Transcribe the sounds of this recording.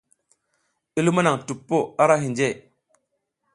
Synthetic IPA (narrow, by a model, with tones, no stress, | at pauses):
i˦lu˦ma˦na˨ŋtu˨pːo˦a˦ɾa˦ɦi˨nd͡ʒe˦˨